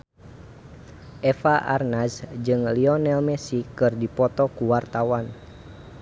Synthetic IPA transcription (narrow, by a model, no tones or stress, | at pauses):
ʔɛfaʔa̰rnasd͡ʒɨŋliɔnɛlmɛsikɨrdipɔt̪ɔkuwart̪awan